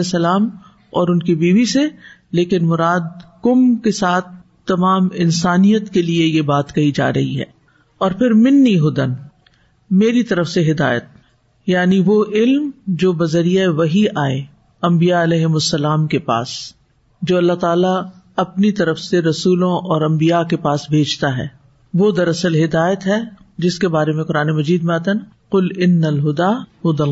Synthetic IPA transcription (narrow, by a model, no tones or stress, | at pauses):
sɐlaːm | ɔːɾʊnkibiːʋiseleːkɪnmʊɾaːd̪kʊmkesaːt̪̚ʰ | t̪ːɐmaːmɪnsaːnijət̪keliejebaːt̪kɐid͡ʒa̰ːɾɐɦiɦɛ̰ː | ɔːɾpʰɪɾmɪnːiɦʊd̪ən | meːɾit̪ɐɾəfseɦɪd̪a̰ːjət̪̚ | jaːniʋoʔɪlmd͡ʒoːbɐzəɾijaʋɐɦiʔaːe | ɐ̃mbijaɐlɛːɦɪmʊsːɐlaːmkepa̰ːs | d͡ʒoːɐlːaɦt̪aːla | ɐpnit̪ɐɾəfseɾɐsuːlõʔɔːɾɐ̃mbijakepaːsbʱeːd͡ʒt̪aɦɛ̰ː | ʋod̪ɐɾɐsəlɦɪd̪aːjət̪ɦɛ | d͡ʒɪskebaːɾemẽqʊɾaːnemɐd͡ʒiːd̪mẽaːt̪aɦna | qʊlɪnːəlɦʊd̪aːhʊd̪əl